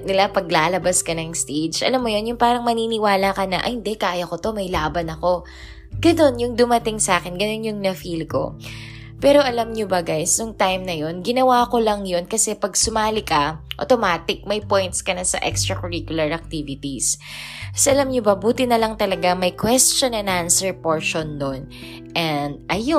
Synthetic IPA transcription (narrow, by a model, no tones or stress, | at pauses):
nɪlapɐɡlaːlɐbaskɐnɐŋst̪ejd͡ʒʔɐ̰lamːojo̞njʊŋpaːɾɐŋmɐniːnɪwaːlɐkɐnɐʔɐ̰hɪnd̪ɛkaːjɐkot̪o̞mɐjlaːbɐnɐko̞ | ɡ̥ɐno̞njʊŋd̪ʊmɐt̪ɪŋsaːkɛnɡɐno̞njʊŋnɐfilko̞̰ | pɛːɾo̞ʔɐlamɲobɐɡajsnʊŋt̪ajmnɐjo̞nɡɪnɐwaːko̞lɐŋjo̞nkɐsɛpɐɡ̚sʊmaːlɪkɐʔo̰t̪omaːt̪ɪk̚mɐjpojnt̪skɐnɐsɐʔɛkst̪ɹɐkʊɹikjʊlɐɹʔɐk̚t̪ivɪt̪is | sʔɐlamɲobɐbuːt̪ɪnɐlɐŋt̪ɐlɐɡamɐjkwɛst͡ʃonɛnʔansɛɹpoɹʃond̪on | ʔɛnd̪̚ʔɐjo